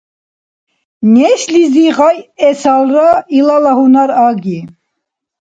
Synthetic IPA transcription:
nɛsliziʁajɛsalrailalaɦunaɾaɡi

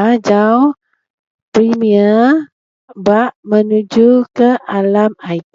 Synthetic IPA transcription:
d͡ʒau | pɾimiə | baʔmənud͡ʒukəʔalamajt̪

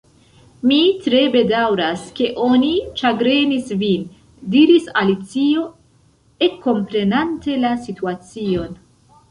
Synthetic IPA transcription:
mitɾe̞be̞dawɾaske̞ʔo̞nit͡ʃaɡɾe̞nisvin | diɾisalit͡sio̞ | e̞kːo̞mpɾe̞nante̞lasituat͡sio̞n

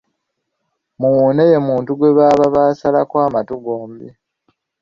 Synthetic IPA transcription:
muwuːneje̞muːntuɡwe̞βaːβaβaːsalakwaːmatuɡoːmbi

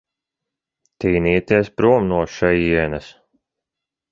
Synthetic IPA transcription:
t̪iːniːt̪iɛspɾuɔmnuɔʃɛjiɛnɐs

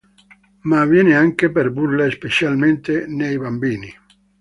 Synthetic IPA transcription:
mavjɛːneaŋkepeɾbuɾlespet͡ʃjalment̪enejbambiːni

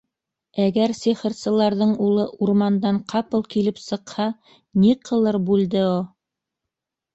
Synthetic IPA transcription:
æɡæɾsiχɘ̆ɾsɤ̆lˠɑɾðɤɴulˠɤʔuɾmɑnd̪ɑɴqʰɑpɤlˠkilɘpsɤ̆qhɑ | niqʰɤ̆lˠɤɾbʉld̪ɘo

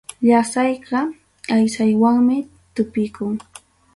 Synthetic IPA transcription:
ʎasɑjɢɑ | ajsajwaŋmɪ | t̪ʊpɪjkʊŋ

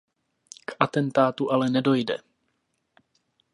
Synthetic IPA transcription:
kʔat̪ɛnt̪aːt̪uʔalɛnɛdo̞jdɛ̰

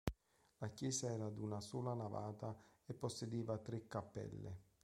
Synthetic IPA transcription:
lakjɛːsaɛːɾad̪unasuːlanava̰ːt̪aepːosːed̪iːvat̪ɾɪkːapːɛ̰lːɪ̰

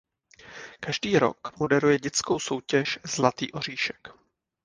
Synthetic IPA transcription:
kaʒdiːɾo̞̰kmodɛɾujɛɟɛt͡sko̞wso̞wcɛʃz̥lat̪iːʔo̞r̝iːʃɛ̥k

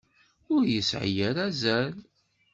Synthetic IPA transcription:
ʊɾjəsʕ̰jæɾæzæl

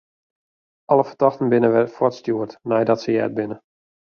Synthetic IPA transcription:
ɔləfərdɔxtən̩bɪnəʋɛrfɔtstjuərtnɛjdɔtsəjɛ̰ːt̚bɪnə

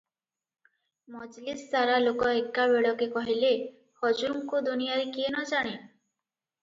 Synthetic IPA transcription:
mɔd͡ʒlisd̪aɾalokɔekːaβeɽɔkekɔɦile | hɔd͡ʒuɾŋkud̪unijaɾikienɔd͡ʒaɽ̃e

